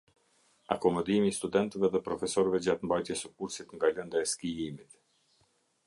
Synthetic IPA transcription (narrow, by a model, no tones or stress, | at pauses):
akɔmɔd̪imiːst̪ud̪ɛnt̪ɛvɛðɛpɾɔfɛsɔɾvɛd͡ʑat̪mbajt̪jɛsəkuɾsit̪ŋɡalənd̪aɛskiimit̪